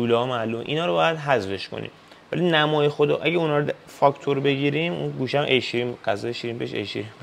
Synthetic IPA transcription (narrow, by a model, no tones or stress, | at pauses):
uːlɛɒːmælum̰ʔḭnɒːɾobɒːjæd̪ɦæzfe̞ʃkʰo̰nʔḭm | væ̰linæmɒːjexod̪ɒ̰ːʔæɟæunhɒːɾo | fɒkʰt̪ʰoɾbe̞ɟiːɾimṵnɡuːʃæmʔejʃiɾiːmɡæzɒeʃiːɾiːmbeʃḛjʃḭɾim